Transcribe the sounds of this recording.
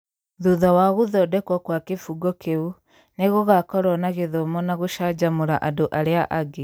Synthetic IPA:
ðuðɔwaɣoðɔdɛkwɔkwakefuɡɔkʰeu | neɣoɣakɔɾɔnaɣeðomɔnaɣoʃaːd͡ʑamoɾaʔadoʔaɾeaʔaɡe

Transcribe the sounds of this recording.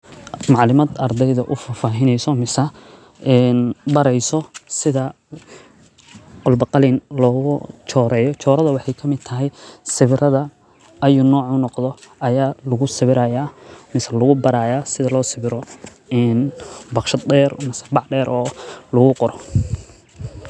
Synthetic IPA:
mɑʕlɪmɐd̪ɐrd̪ɛjðɐʔʊfɐfaːɦɪnɛjsɔmɪsɐ | ɛːnbɐɾɛjsɔsɪðɐ | qɔlbɐqɑlinlɔːɣʊt͡ʃʰɔːɾɛːjɔt͡ʃʰɔːɾɐðɐwɑħɑjkʰɐmɪd̪̚t̪ʰɐɦɛjsɪβɪrɐðɐ | ɐjunɔːʕʊnɔqðɔʔɐjaːlɐɣʊsɪβɪɾaːjaːmɪsɐlɐɣʊbɐɾaːjaːsɪðɐlɔːsɪβɪɾɔ | ɛːnbɑqʃɐd̪ɛːrmɪsɐ̥bɑʕɖɛːɾʔɔːlɐɣʊqɔɾɔ

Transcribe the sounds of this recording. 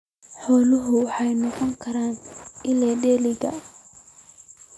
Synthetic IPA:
ħɔːlʊɦʊwɑħɑjnɔqɔŋkʰɐɾaːnɪlɛːɖɛːlɪɣɐ̰

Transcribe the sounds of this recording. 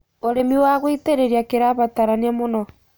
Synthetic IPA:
oɾemiwaɣwiteɾeɾiakeɾaβataɾaniamonɔ

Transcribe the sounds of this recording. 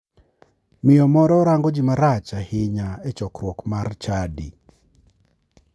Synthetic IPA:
mɪjɔmɔɾɔɾaŋɡɔd͡ʒɪmaɾat͡ʃahɪɲaɛt͡ʃɔkɾwɔkmart͡ʃadḭ

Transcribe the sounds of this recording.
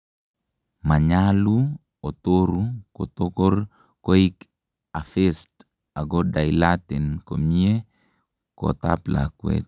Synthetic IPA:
maɲalu | otoɾukotokoɾ | koik | afest | aɡodajilatɛnkomie | ko̰tapla̰kwḛt̚

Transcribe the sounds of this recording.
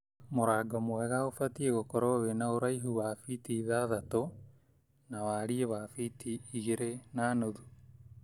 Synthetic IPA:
moɾaːɡɔmoɛɣaofatieɣokɔɾɔɣenaoɾaiɦuwafitiðaðato | nawaːɾiewafitiːɣeɾenaːnoðu

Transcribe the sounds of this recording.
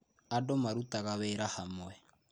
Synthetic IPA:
adomaɾutaɣaβeːɾahamwɛ

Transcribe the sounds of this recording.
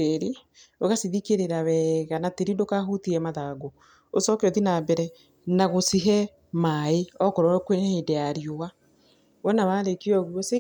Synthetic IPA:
eɾi | oɣasiðikeɾeɾawɛːɣanateɾindokaɦutiɛmaðaɡo | osɔkeɔðinabɛɾɛ | naɣosiɦɛ | maeɔkɔɾɔkwenhedeaɾioa | βɔnaβaːɾekiɔɣuɔse

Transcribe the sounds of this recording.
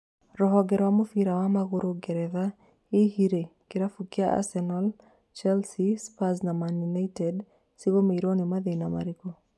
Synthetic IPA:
rɔɦɔɡɛɾwamofiɾawamaɣoɾoɡɛɾɛða | ihiɾekɪɾafukiaʔa̰sɛnɔl | t͡ʃɛlsispaznamaninaitɛd | siβomeiɾonimaðenama̰ɾiko

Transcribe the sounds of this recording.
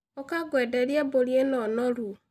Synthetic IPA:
ɔkaɡwedeɾjeboɾjenɔnɔɾu

